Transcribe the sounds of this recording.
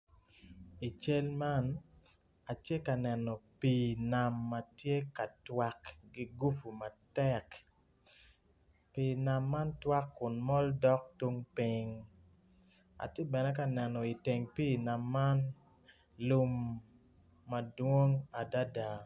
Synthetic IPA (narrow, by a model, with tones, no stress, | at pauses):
i˨t͡ʃe˦lma˦n | a˨t͡ʃje˦ka˨nɛ˨nɔ˨pi˨na˨mːa˨tje˦ka˨twa˦kɡi˦ɡu˦fu˨ma˨tɛ˦k | pi˨na˨mːa˦ntwa˦kːʊ˨nmɔ˦ldɔ˦k̚tu˦ŋpi˦ŋ | a̰˨tje˦bɛ˨nɛ˦ka˨nɛ˨nɔ˨i˨te˨ŋpi˦˨na˨mːa˦n | lu˦mː | a˨dwo˦ŋa˨da˦da˨